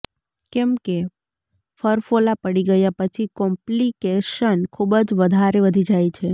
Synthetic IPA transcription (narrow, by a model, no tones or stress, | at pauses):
kɛmke | fəɾfolapəɽiɡəjapət͡ʃʰikɔmplikeʃənkʰubd͡ʒʋəd̪ʱaɾeʋəd̪ʱid͡ʒajt͡ʃʰe